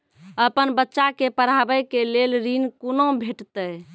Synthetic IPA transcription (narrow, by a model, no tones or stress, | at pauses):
əpənbətːʃakepəɾabəkelelɾinkonobʱeʈt̪əj